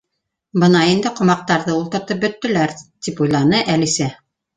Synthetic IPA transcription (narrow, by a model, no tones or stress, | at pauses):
bɤ̆nɑind̪ɘqŏmɑq̚t̪ɑɾðɤulˠt̪ɤ̆ɾt̪ɤp̚bɵ̆t̪ːɘ̆læɾt̪ipujlˠɑnɤʔælisæ